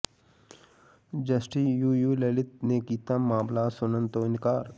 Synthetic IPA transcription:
d͡ʒɐsʈijuːjuːlelɪt̪̚nekit̪amaːmlasʊnənt̪oɪnkaːɾ

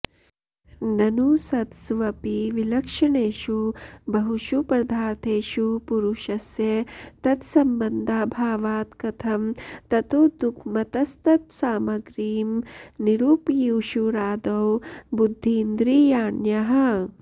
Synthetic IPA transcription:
nɐnusɐt̪sʋɐpiʋilɐkʂɐɳeːʃubɐɦuʃupɾɐd̪ʱaːɾt̪ʰeːʃupuɾuʃɐsjɐt̪ɐt̪sɐmbɐnd̪ʱaːbʱaːʋaːt̪kɐt̪ʰɐmt̪ɐt̪oːd̪ukʰmɐt̪ɐst̪ɐt̪saːmɐɡɾiːmniɾuːpjiːʃuɾaːd̪ɐwbud̪ʱːiːnd̪ɾiːjaːnjɐɦɐ

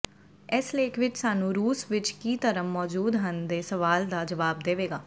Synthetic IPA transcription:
ɛːsleːkʰʋɪt͡ʃsaːnũːɾuːsʋɪt͡ʃkiːt̪əɾəmɔːd͡ʒuːd̪ɦənd̪eːsəʋaːld̪aːd͡ʒəʋaːb̚d̪eːʋeːɡaː

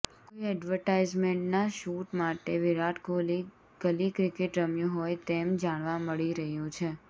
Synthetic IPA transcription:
koiɛɖʋəɾʈaizmeɳʈnaʃuʈmaʈeʋɪɾaʈkoli | ɡəlikɾikeʈɾəmjũɦojt̪emd͡ʒaɽ̃ʋaməɭiɾəɦjũt͡ʃʰe

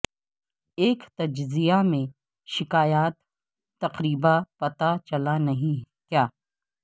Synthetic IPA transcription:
eːkt̪ɐd͡ʒzijamẽ | ʃɪkaːjaːt̪ː | ɐqɾiːbapɐt̪at͡ʃɐlanɐɦĩ | kjaː

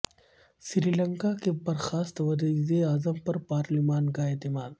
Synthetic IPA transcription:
sɪɾiːlə̃ŋkakebɐɾxaːst̪ʋɐd̪zeaːzəmpɐɾpaːɾlimaːnkaeːt̪ɪmaːn

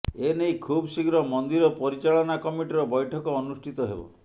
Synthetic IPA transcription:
enejkʰubsiɡɾɔmɔnd̪iɾɔpɔɾit͡ʃaɭɔnakɔmiʈiɾɔbɔjʈʰɔkɔːnusʈʰit̪ɔɦḛbɔ̰

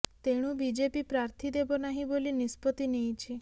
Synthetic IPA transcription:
t̪eɽ̃ũbid͡ʒepipɾaɾt̪ʰid̪ebɔnaɦĩbolinispɔt̪ineĩt͡ʃʰi

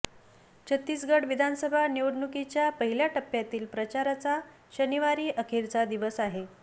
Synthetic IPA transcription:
t͡ɕət̪ːiːsɡəɽʋid̪ʱansəbʱaniuɽnukit͡ɕjapəɦiljaʈəpːjat̪iːlpɾət͡ɕaɾat͡sa | ɕəniʋaɾiːʔəkʰeɾt͡sad̪iʋəsaɦe

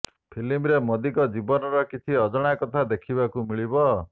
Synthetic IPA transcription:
pʰilimɾemɔd̪ikɔd͡ʒibɔnɔɾɔkit͡ʃʰiɔd͡ʒɔɽ̃akɔt̪ʰad̪ekʰibakumiɭibɔ

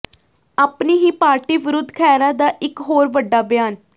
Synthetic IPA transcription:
aːpniːɦiːpaːɾʈiːʋɪɾʊd̪ʱkʰɛːɾãːd̪aːʔɪkɦoːɾʋəɖːaːbɪjaːn

